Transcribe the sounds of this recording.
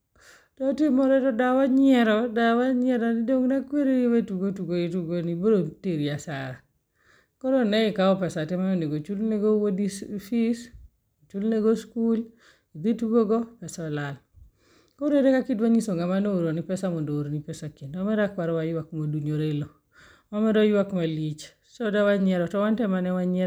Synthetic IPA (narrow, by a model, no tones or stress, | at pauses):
tɔtimɔɾeɾɔdawaɲɪɛɾɔdawaɲɪɛɾanidoŋnakweɾewetuɡotuɡoituɡoniboɾoteɾiasaɾa | koɾonɛɪkaɔpɛsatɛmanoneɡot͡ʃulneɡowodifis | ot͡ʃulneɡoskul | ibituɡoɡɔpɛsɔlal | koɾeɾekakidwaɲisoŋɡamanooɾonipɛsamɔndooɾonipɛsakendɔmɛɾakwaɾɔwajwakmaduɲoɾelo | ɔmɛɾajwakmalit͡ʃ | sɔdawaɲɛɾɔtɔwantɛmanɛwaɲɛ